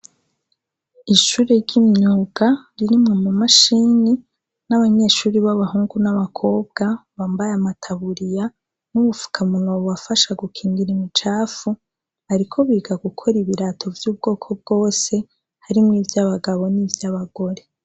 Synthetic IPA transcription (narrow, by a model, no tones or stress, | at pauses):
iʃuːɾeɾɟimɲuːɡ̥aɾiɾimŋe̞mumaʃini | naβaɲe̞ːʃuːɾiβaβaɦuːŋɡunaβakʰo̞ːb̚ɡ̥aβaːmbajamatʰaβuɾija | nuβufu̥kʰamunoβuwafaʃaɡukʰiːŋɡiɾimit͡ʃaːfu | aɾikʰo̞βiːɡaɡukʰo̞ɾiβiɾatʰo̞vjuːb̚ɡo̞ːkʰo̞b̚ɡo̞ːse̞ | haɾimŋiːvjaβaɡaβo̞nivjaβaɡo̞ɾe̞